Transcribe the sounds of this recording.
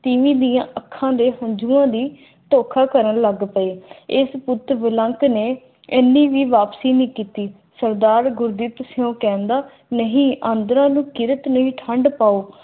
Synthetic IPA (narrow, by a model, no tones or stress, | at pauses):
t̪ɪʋĩːd̪iːjãːʔəkʰːãːd̪eːɦəɲd͡ʒuːãːd̪iː | t̪oːkʰaːkəɾənləɡpəeːɪspʊt̪ʋɪlə̃ŋkneː | eːnːĩːʋiːʋaːpsiːnĩːkiːt̪iː | səɾd̪aːɾɡʊɾd̪iːt̪sɪjõːkɛ̃ːnd̪aː | nəɦĩːʔãːnd̪ɾãːnũːkɪɾət̪nəɦĩːʈʰəɳɖpaːoː